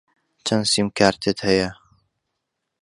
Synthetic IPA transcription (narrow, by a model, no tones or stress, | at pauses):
t͡ʃʰɐnsimkʰaːɾt̪ʰet̪hɐjɐ